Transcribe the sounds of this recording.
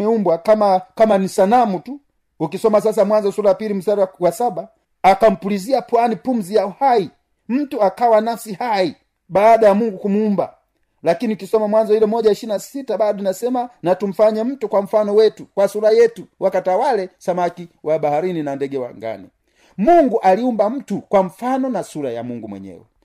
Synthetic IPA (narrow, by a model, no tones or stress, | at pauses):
ɛumbwakamakamanisanamutu | ukisɔmasas̬amwanzɔsulaapilim̩saɾawasaɓaː | kam̩puliziapwanipum̩zijauhai | m̩tuakawanafsihai | ɓaːɗajamuŋɡukumuumba̰ | lakiniukisɔmamwanzɔilɛmɔʄaiʃiɾinasitaɓaɗɔnasɛmanatum̩faɲɛm̩tukwam̩fanɔwɛtukwasuɾajɛtuwʔakatawalɛsamakiwaɓahaɾininandɛɡɛwa̰ŋɡa̰ni | muŋɡuʔaliumbam̩tukwam̩fanɔnasuɾaja̰muŋɡumwɛ̰ɲɛ̰wɛ